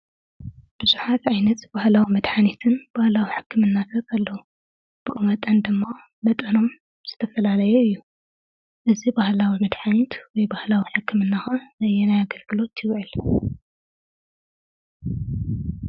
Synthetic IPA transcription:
b̥ɨzuħat̪ʕajnɐt̪b̥ahlawimɐd̪ħanit̪ʰɨnb̥ahlawiħɨkːɨmɨnːat̪ʰɐkʰɐlːɐwu | b̥ɨkʼɨmɐt̪ʼɐnd̪ɨmːa | mɐt̪ʼɐno̞m | z̥ɨt̪ʰɐfɐlalɐjɛɨjːu | ʔɨzibahlawimɐd̪ħanit̪wɔjbahlawiħɨkːɨmɨnːaxɐzɐjɛnajaɡɐlɡɨlo̞t̪jɪwʕɨl

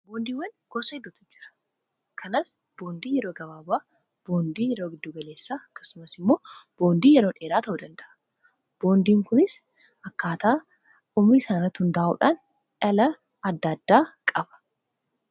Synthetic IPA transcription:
boːnd̪iːwɐnɡ̥ɔsɐɪd̪ʊt̪ʊd͡ʒɪ̥ɾɐ̥ | kʰɐnɐs | b̥o̞ːnd̪iːjɛɾo̞ːɡɐβaːbaː | b̥o̞ːnd̪iːjɛɾo̞ːɡɪd̪ːuːɡɐle̞ːsːaːɐkːɐ̥sʊmɐsɪmːo̞ːb̥o̞ːnd̪iːjɛɾoːᶑe̞ːɾaːt̪ɐʔud̪ɐnd̪ɐʔɐ̥ | b̥o̞ːnd̪iːŋkʊnɪs | ɐkːaːt̪aː | umiːsaːnɪrɾɐt̪ːhʊnd̪aːʔṵːᶑan | ᶑɐlɐ | ɐd̪ːɐd̪ːaːkʼɐbɐ̥

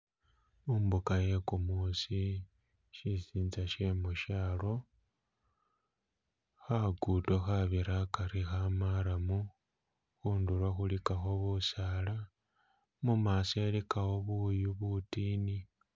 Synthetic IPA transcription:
umbukaje̞kumusi | ʃisiːnzaʃemuʃaːlo̞ | xaɡutoxaβiɾakaɾixamaɾamu | xuːnduɾwaxulikaxo̞βusaːla | mumase̞likawoβujuβutiːni

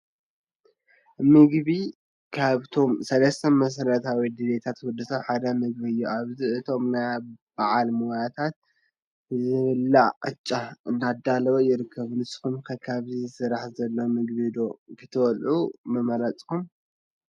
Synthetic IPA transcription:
mɨɡβi | kʰaβt̪ʰo̞msɐlɐst̪ʰɐmɐs̬ɐɾɐt̪ʰawid̪ɨdet̪ʰat̪wud̪ɨsaβħad̪ɐmɨɡ̚bɨjːuaβziɨt̪ʰo̞mnajb̥aʕalmojat̪ʰat̪̚ | zɨβɨlːaqʼɨt͡ʃʼːaɨnːad̪alɐβojɪɾɨkʰːɐβunɨsɨ̥kumkʰɐkʰaβzizɨsɨɾaħzɐlːomɨɡbid̪o̞kʰɨt̪ʰɐwɔlʔumɐmɐɾɐt͡sʼkum

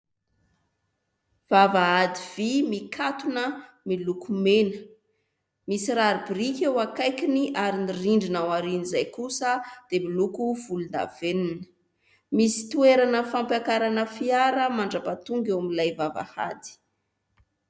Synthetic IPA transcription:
v̥avaad̪iv̥imikʰat̪unə | milukumenə | misiɾaɾibiɾikʲewakajkiniʔaɾiniriɳɖ͡ʐinawaɾinizajkusəd̪̥emilukuv̥ulund̪a̰v̥eninə̥ | misi̥t̪ueɾanəfampjakaɾanəfiaɾəmaɳɖ͡ʐapat̪uŋɡewamilajvava̰ha̰d̪i̥

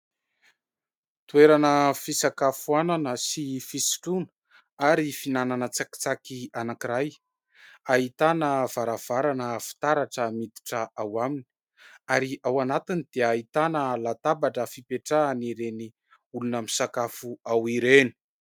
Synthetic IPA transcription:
t̪ueɾanəfisakafuananəsifisi̥ʈ͡ʂunə | aɾifinananət͡saki̥t͡sakianakiɾaj | aɦit̪anəv̥aɾav̥aɾanəfi̥t̪aɾaʈ͡ʂəmit̪i̥ʈ͡ʂəawamini̥ | aɾiʔawanat̪inid̪̥eait̪anəlat̪abaʈ͡ʂəfipeʈ͡ʂaaniɾeni | ulunəmisakafuawiɾeni̥

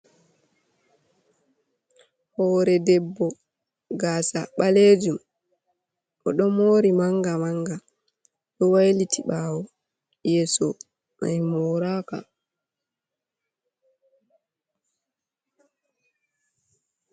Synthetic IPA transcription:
hɔːɾɛdɛbːɔ | ɡaːsa̰ɓaleːd͡ʒum | ʔɔɗɔmoːɾimaŋɡamaŋɡa | ɗɔwajlitʰiɓawɔ | jɛːsɔ | ma̰jmɔːɾaːka̰

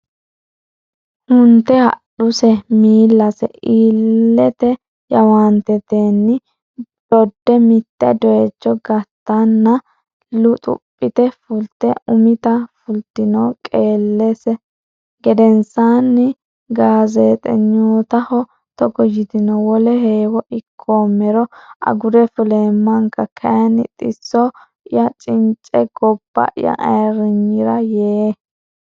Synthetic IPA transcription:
hʊnt̪ːɛhɐ̰ɗʊsɛmiːlːɐsɛ̰ʔiːlːɛt̪ɛ | jɐwaːnt̪ɛt̪eːnːɪ | d̪̥ɔd̪ːɛmɪt̪ːɛ̰d̪ɔet͡ʃːɔɡɐt̪ːɐnːɐ | lʊt̪ʼʊ̰pʼːɪt̪ɛfʊlt̪ːɛʊmɪt̪ɐfʊlt̪ːɪnɔkʼeːlːɛsɛ | ɡɛd̪ɛnsaːnːɪ | ɡaːzeːt̪ʼɛ̰ɲːoːt̪ɐhɔ | t̪ɔɡɔjɪt̪ɪnɔwɔlɛheːwɔʔɪkʰːoːmːɛɾɔʔɐ̰ɡʊɾɛfʊleːmːɐŋkɐkʰɐjɐnɪt̪ʼɪsːɔ | ɪjɐt͡ʃʼɪnt͡ʃʼɛɡ̥ɔb̥ːɐ̰ʔɪ̰jɐ̰ʔɐ̰jɾɪɲːɪɾɐjeː

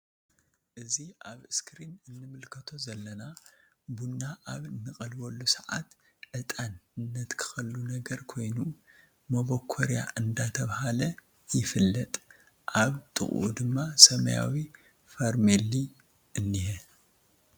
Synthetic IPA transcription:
ʔɨziʔaβɨskʰɾinɨnːɨmɨlkʰɐt̪ʰo̞zɐlːɐna | bunːaʔaβnːɨxʼɐlbɐlːusɐʕa̰t̪ | ʔɨt̪ʼanɨnːɐt̪kʰɨ̥xɐlːunɐɡɐɾkʰo̞jnu | mɐβokʰːoɾja̰ʔɨnd̪at̪ʰɐβhalɐ | jɪfɨlːɐt̪ʼ | ʔaβt̪ʼɨ̰χʼʔṵd̪ɨmːasɐmɐ̰ja̰wi | faɾmeli | ʔɨnːihɛ

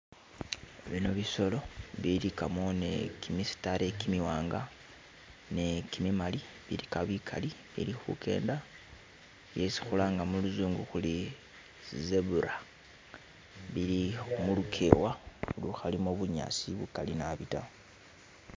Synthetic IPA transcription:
eβinoβiso̞lo̞βiɾikamo̞ne̞̰kimisi̥taɾe̞kimiwaːŋɡa | ne̞kimimali | βḭɾikaβikʰa̰liβḭlixṵkʰe̞̰ːnda | jesi̥xulaːŋɡamuluzuːŋɡuxuli | zeβuɾa | βiliumulukʰḛːwaoluxalimoβuɲa̰ːsiβukalinaβita̰

